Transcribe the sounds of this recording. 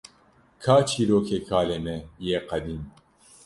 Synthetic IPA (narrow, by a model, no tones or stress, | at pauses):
kʰaːt͡ʃʰiːɾoːkʰeːkʰaːleːmɛjeːqɐd̪iːm